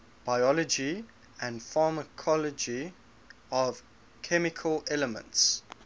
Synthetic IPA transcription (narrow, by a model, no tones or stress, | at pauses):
b̥aɪɔlɔd͡ʒi | ə̃ndfɑːməkʰɔləd͡ʒi | ɔv̥ | kʰɛmɪkʰəlɛləmə̰̃nts